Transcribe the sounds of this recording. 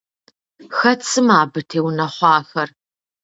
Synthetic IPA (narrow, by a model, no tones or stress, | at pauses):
xɐt͡sʰʼɨmaːbɨtʰeːwnɐχʷɑːxɐr